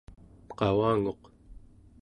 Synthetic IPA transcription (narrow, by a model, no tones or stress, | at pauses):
qɑwaːŋo̞q